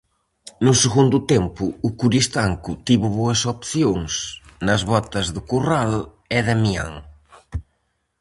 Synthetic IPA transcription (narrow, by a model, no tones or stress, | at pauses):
nʊseɣund̪ʊt̪empʊːkuɾist̪aŋkʊt̪iβʊβoɐsopθjoŋsnɐzβɔt̪ɐzðʊkural | ɛðemia̰ŋ